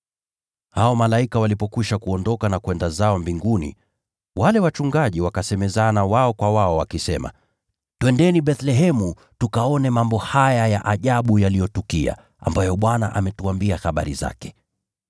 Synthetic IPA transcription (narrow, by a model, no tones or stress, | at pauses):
haɔmalaikawalipɔkwiʃakuɔndɔkanakwɛndazaɔmbiŋɡunḭ | walɛwat͡ʃuŋɡaʄiwakasɛmɛzanawaɔkwawaɔwakisɛma̰ | twɛndɛniɓɛθlɛɦɛmu | tukaɔnɛmambɔhajajaʔaʄaɓujalijɔtukia̰ | a̰mbajɔɓwana̰ʔamɛtuambiaxaɓa̰ɾiza̰kɛ̥